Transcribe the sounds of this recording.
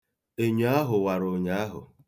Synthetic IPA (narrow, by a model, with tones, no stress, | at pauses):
e˦ɲu˨˦a˦ɦʊ˨wa˨ɾo˨ɲa˦a˦ɦʊ̰˨